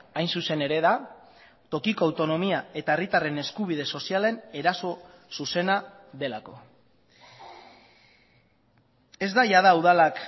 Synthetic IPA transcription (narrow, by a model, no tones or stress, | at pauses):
ajnsuse̞ne̞ɾe̞ða | t̪o̞kiko̞awt̪o̞no̞miae̞t̪ae̞rit̪are̞ne̞skuβ̞ið̞e̞so̞siale̞ne̞ɾaso̞ | suse̞na | ðe̞lako̞ | e̞zd̪aʝaðauðalak